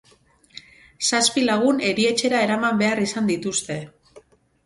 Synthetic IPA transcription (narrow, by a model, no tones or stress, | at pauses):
saspilaɣ̞une̞ɾie̞t͡ʃe̞ɾae̞ɾamambe̞arisand̪it̪ust̪e̞